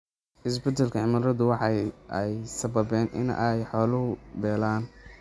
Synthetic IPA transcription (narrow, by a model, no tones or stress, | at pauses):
ʔɪsbɛd̪ɛlkʰɐʕɪmɐɾɐðʊwɑħɑjɛjsɐbɐbɛːnʔɪ̰nɛjħɔːlʊɦʊbɛːlaːn